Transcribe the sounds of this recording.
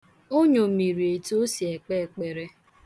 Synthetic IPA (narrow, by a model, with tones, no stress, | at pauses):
o˦ɲo˨mi˨ɾi˨e˨to˦si˨e˨k͡pe˦˨k͡pe˨ɾe˦